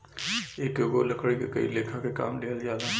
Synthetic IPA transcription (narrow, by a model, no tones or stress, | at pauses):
eːkːɡolɐkʰɽikekɐḭleːkʰakeka̰ːmleːlzjaːd̪a